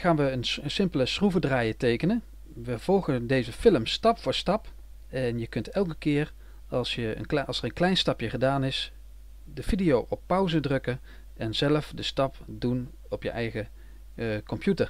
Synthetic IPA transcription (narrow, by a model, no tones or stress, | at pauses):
χaːnʋəənsɪmpələsruvədraːjətejkənən | ʋəv̥ɔlˠχəndejzəfɪləmstɑpfʊːɹstɑp | ɛnjəkɵntɛlˠk̬əkɪːr | ɑlˠsjəə̰nɑlˠsəɹənklɛjnstɑpjəχədaːnɪs | dəvidijowʔɔpːʌwzədrɵkən | ɛnzɛləfdəstɑpdun | ɔpjə̰ʔɛjχə | kɔmpjutəɹ